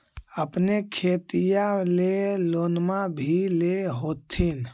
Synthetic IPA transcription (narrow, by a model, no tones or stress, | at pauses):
əpnekʰet̪ijalelonmabʱileɦot̪ʰin